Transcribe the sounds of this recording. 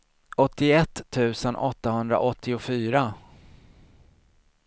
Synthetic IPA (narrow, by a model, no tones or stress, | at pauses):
ɔt̪ːɪɛt̪ʰːʉ̟ːsənʔɔt̪ːahɵnd̪ɾa̰ʔɔt̪ʰːɪʊfyːɾa